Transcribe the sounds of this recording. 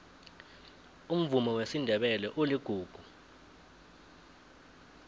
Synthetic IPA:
um̩vumɔwesindʱɛɓɛlɛʔuliɡ̥ʱuːɡ̥ʱu

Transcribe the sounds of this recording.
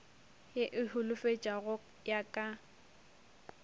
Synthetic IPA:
jɪʔɪhʊlʊfet͡ʃʼaɣʊ | jakʼa

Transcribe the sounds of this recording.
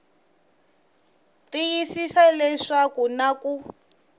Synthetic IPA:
tijisisalɛʂakunaku

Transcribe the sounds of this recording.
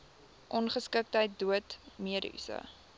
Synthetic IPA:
ʔɔnχəskək̚təjt̚duətmiəɾy̰sə̰

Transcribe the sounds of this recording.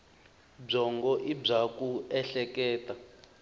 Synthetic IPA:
b͡ʐɔŋɡɔʔib͡ʐakuɛɬɛkɛːta

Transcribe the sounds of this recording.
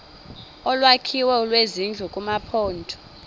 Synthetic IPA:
ɔlwakʰiwɛulwezind͡ɮʱukʼumapʰɔːntʰɔ̥

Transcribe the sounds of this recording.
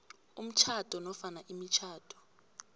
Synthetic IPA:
um̩t͡ʃʰatʰʼɔnɔfanaʔimit͡ʃʰaːtʰʼɔ̥

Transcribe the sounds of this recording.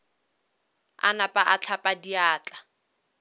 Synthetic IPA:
a̰napʼaʔat͡ɬʰapʼadiaːt͡ɬʼa

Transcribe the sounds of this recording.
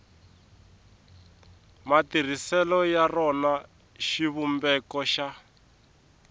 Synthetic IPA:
matir̤isɛlɔjarɔna | ʃiβumbɛkɔʃa

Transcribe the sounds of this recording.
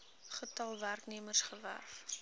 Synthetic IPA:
χətɐlˠværkniəmərsχəvæ̰rf

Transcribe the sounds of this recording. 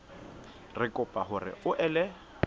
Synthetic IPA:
rɪkʼʊpʼaɦʊrɪ̰ʊʔɛlɛ

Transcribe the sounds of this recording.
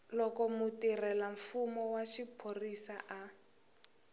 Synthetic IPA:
lɔkɔmutirɛlaɱfumɔwaʃipʰorisaʔa

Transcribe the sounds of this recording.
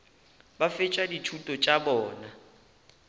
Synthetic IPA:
bafɪt͡ʃʼadit͡ʃʰutʼɔt͡ʃʼabɔːna

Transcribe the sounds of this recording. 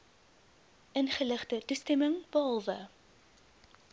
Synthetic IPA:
ʔənχələχtətustɛməŋb̥əɦɑlˠvə

